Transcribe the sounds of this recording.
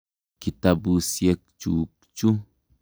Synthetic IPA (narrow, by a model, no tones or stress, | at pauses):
kit̪abusjek̚t͡ʃukt͡ʃu